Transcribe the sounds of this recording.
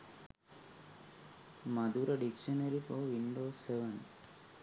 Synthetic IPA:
mɐd̪uːɾɐɖikʂɐnɐɾifoːʋiɳɖoːseʋɐn

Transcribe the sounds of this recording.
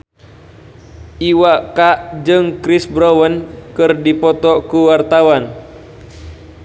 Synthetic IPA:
ʔiwakaʔd͡ʒɨŋkɾisbɾɔwənkɨrdipɔt̪ɔkuwart̪awan

